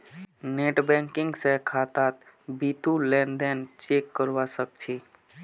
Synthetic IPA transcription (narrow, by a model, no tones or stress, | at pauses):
neʈbɛ̃ŋkiŋɡsẽkʰat̪at̪ | bit̪ulɛnd̪ɛnt͡ʃekːəɾʋasək̚t͡ʃʰi